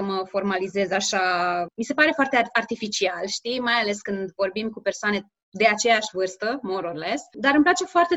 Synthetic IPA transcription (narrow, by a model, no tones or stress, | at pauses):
əməfo̞rmalize̞zaʃamise̞paɾe̞foart̪eart̪ifit͡ʃialʃt̪imajale̞skɨnd̪vo̞rbimkupe̞rsoane̞ | d̪e̞at͡ʃe̞jaʃʲvɨrst̪əmoɾorlesd̪aɾɨmplat͡ʃe̞foart̪e̞